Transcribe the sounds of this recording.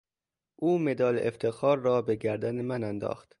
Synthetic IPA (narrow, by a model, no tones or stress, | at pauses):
ʔuːmed̪ɒːleʔeft̪ʰexɒːɾːɒːbe̞ɡæɾd̪ænemænænd̪ɒ̰ːxt̪